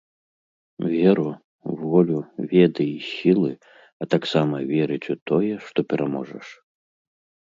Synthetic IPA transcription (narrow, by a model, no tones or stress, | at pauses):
vʲɛɾu | vɔlʲuvʲɛd̪ɨisʲilˠɨ | ɐt̪aksamɐvʲɛɾɨt͡sʲut̪ɔjɛʂt̪ɔpʲɛɾʔamɔʐɐʂ